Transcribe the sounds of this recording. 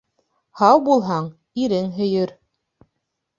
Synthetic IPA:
hɑwbulˠɦɑɴ | iɾɘŋɦɵ̆jɵɾ

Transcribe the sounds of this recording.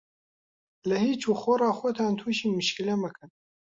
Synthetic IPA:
ləhiːt͡ʃuːxorɑːxʷot̪ʰɑːnt̪ʰuʃiːmɨʃkilɛmɐkʰɨn

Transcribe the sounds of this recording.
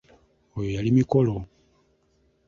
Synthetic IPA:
ojojalimiko̞lo

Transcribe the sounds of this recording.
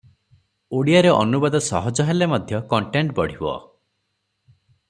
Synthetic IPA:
oɽijaɾeʔɔ̰nubɔd̪ɔsɔɦɔd͡ʒɔɦelemɔd̪ʱjɔkɔɳʈeɳʈbɔɽ̤ibɔ̰

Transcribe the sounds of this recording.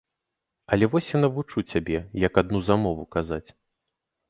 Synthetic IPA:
ɐlʲɛvɔsʲjanɐvut͡ʂut͡sʲabʲɛjɐkad̪nuzamɔvukazat͡sʲ

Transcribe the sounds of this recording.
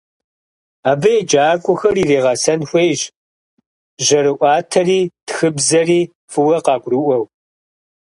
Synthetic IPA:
aːbɐjɛd͡ʒʼaːkʷʼʊxɐriːreːʁɑsɐnxʷejʑ | ʑɐɾɨʔʷɑːtʰɐriːtxɨbzɐriː | fɨwɐqɑːɡʷrɨʔʷɐw

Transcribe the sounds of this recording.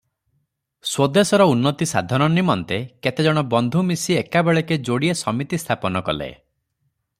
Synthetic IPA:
swod̪esɔɾɔunːɔt̪isa̰d̪ʱɔnɔnimɔnt̪eket̪ed͡ʒɔɽ̃ɔbɔnd̪ʱumisiekabeɭeked͡ʒoɽiesɔmit̪ist̪ʰapɔnɔkɔlḛ

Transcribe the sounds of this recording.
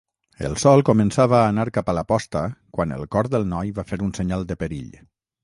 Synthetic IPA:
ə̰lˠsɔlˠkomənsaβəːnaɾkapələpɔst̪əkwanə̰lˠkɔɾðəlˠnɔjβafeɾunsəɲalˠd̪əpəɾḭʎ

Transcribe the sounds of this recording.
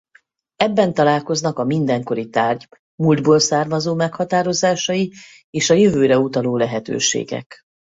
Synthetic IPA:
ɛbːɛnt̪ɒlaːlko̞znɒkɒmind̪ɛŋko̞ɾit̪aːrɟ | muld̪boːlsaːrmɒzoːmɛkhɒt̪aːɾo̞zaːʃɒji | eːʃɒjøvøːɾɛut̪ɒloːlɛɦɛt̪ø̰ːʃḛːɡɛ̰k

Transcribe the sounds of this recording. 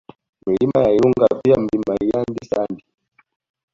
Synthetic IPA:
milimajailuŋɡaviam̩limaijandisandi

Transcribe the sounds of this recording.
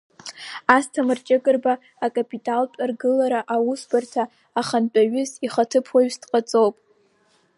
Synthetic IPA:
astʰamɨrt͡ʃʼɪɡʼɨrbaː | kʼapʼitʼaltʼarɡɨlaɾaʔawusbartʰaː | χant͡pʼaɥʏziχatʰɨpʰwaɥsdqʼat͡sʼowpʼ

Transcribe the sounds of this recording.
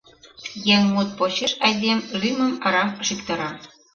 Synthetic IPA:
jæŋmut̪̚poɕeʃɑjd̪ʲemlymə̆mɑɾɑmʃikt̪ɤ̆ɾɑ

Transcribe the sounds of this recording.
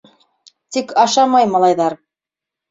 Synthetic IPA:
t̪ikʰɑʃɑmɑjmɑlˠɑjðɑɾ

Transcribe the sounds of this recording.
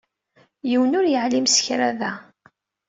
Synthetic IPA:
jiwənʊɾjəʕlimsə̥çɾaðæ

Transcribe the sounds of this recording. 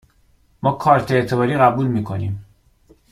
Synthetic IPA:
mɒːkʰɒːɾt̪ʰeeʔt̪ʰe̞bɒːɾiːɣæbuːlmiːkʰo̞niːm

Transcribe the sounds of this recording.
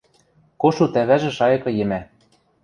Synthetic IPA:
koʃut̪æβæʒĕʃɑjɤ̆kɤ̆jɘ̆mæ

